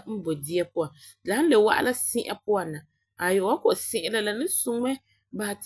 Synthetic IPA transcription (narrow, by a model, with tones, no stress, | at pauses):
m̩˦bo˨di˦jɛ˦pʊ˦a˨la˨˦n˦le˨wa̰˦ʔa̰˦la˦sɪ˦ʔa̰˨pʊ˦a˨na˨ | a˨jo˨a˦ko˨ʔsɪ̃˦ʔɪ˦la˦la˨nɪ˦sʊ˦ŋ˦mɛ˦ | ba˨t